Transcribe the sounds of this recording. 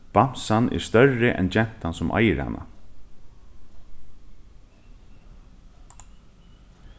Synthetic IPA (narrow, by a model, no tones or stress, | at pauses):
b̥am̥sanʔɛ̰ɹst̪œrːɪʔɛ̰nt͡ʃɛn̥t̪hansʊmʔa̰jəɾha̰nʔa̰